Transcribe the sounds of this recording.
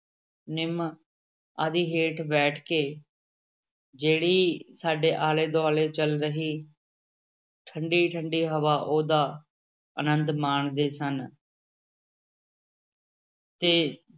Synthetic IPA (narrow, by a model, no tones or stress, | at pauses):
nɪm | ad̪iːɦeːʈʰbɛːʈʰkeː | d͡ʒeːɽiːsaːɖeːʔaːleːd̪oaːleːt͡ʃəlɾəɦiː | ʈʰəɳɖiːʈʰəɳɖiːɦəʋaːʔoːd̪aː | ə̰nə̃nd̪maːɳd̪eːsən | t̪eː